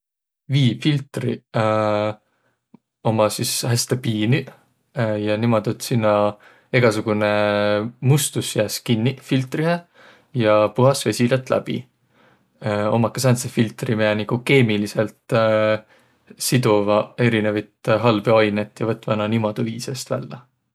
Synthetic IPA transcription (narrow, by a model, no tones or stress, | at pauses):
viːfilt̪rḭ | o̞mɑsishæst̪epiːni | jɑnimod̪̥ut̪sinːɑ | eɡ̥ɑsuɡ̥unemust̪usːjæːskinʲːifilt̪ˑriɦe | jɑpuɦɑsve̞sʲilɑt̪ːˑlæ̰b̥ḭ | o̞mɑkːɑsɑnt̪sefilt̪rimeɑnikuke̞ːmiliselt̪ | sid̪uvɑe̞ɾinevɑjt̪ɦɑlb̥eɑjnet̪ːˑjɑvɤt̪ːˑvɑnɑnimɑd̪̥uviːsest̪væ̰lːɑ